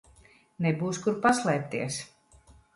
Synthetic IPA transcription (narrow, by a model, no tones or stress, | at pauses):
nɛbuːskuɾpaslˠɛːp̚t̪iɛs